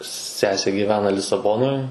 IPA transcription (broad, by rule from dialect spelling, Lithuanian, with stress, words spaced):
ˈsʲæːsʲeː ɡʲiːˈʋʲæːnɐ lʲɪsɐˈboːnoːj